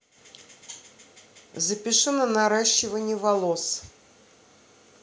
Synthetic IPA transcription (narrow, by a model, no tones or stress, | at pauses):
zəpʲɪʂɨnənaɾaɕːɪvənʲɪjəvɐlˠos